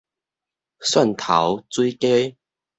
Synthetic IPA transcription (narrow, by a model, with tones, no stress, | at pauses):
swa˥˨nt̪ʰa̰˨˦wt͡swi˦ke˦˥